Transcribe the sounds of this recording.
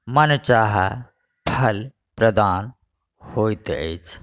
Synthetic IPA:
mɐnt͡ʃaːɦa | pʰɐl | pɾəd̪aːn | hoːjt̪ḛt͡ʃʰ

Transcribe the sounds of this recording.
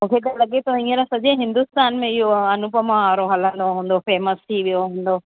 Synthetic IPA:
mũːkʰekɐlɐɠet̪oĩːəɾasɐʄẽɦɪ̃nd̪ʊst̪aːnmẽɪɦoɐnʊpəmãaːɾoɦɐlə̃nd̪oɦũːn̆d̪ofɛːməst̪ʰiʋijoɦũːn̆d̪oː

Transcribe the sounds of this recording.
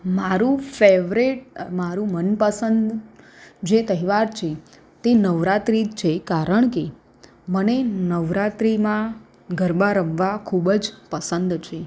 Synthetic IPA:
maɾũfeʋɾeʈ̚maɾũmənpəsənd̪ | d͡ʒet̪əɦiʋaɾt͡ʃʰe | t̪enəʋɾat̪ɾit͡ʃʰekaɾəɳke | mənenəʋɾat̪ɾimã | ɡʱəɾbaɾəmʋakʰubd͡ʒpəsənd̪t͡ʃʰe

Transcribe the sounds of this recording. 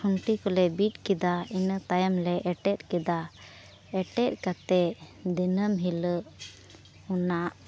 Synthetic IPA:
ɔŋʈikɔlɛbit̪̚ˀkid̪ainət̪ajamlɛʔɛʈɛt̪̚ˀkɛd̪a | ɛʈɛt̪̚kat̪ɛd̪inəmɦiləʔ | unaʔ

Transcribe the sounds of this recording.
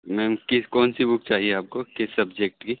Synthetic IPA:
mɛ̃mkɪkɔːnsibʊk̚t͡ʃaːɦieaːp̚kokɪsɐbd͡ʒek̚ʈkiː

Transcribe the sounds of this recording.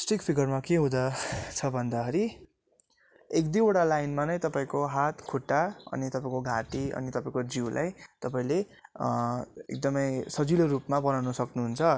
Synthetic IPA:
sʈikpʰiɡʌrmakeɦũd̪ʌt͡sʰʌbʱʌnd̪aɦʌɾi | ekd̪ioɽalajnmanʌj̃t̪ʌpaĩkoɦat̪kʰoʈːaʌ̰nit̪ʌpãĩkoɡʱaʈiʌ̰nit̪ʌpãĩkod͡ziwlʔa̰jt̪ʌpaĩle | ḛk̚d̪ʌmʌjsʌd͡zilorupmabʌnawnʌsʌknuɦunt͡sʰʌ

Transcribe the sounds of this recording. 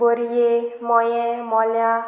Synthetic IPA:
ɔɾijemɔjɛmɔlja

